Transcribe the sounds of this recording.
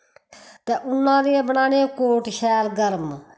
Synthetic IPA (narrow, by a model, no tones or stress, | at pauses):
t̪ɛːʔʊnːãːd̪iːɛ̃ːbənaːnẽːkoːʈʃʰɛːlɡəɾm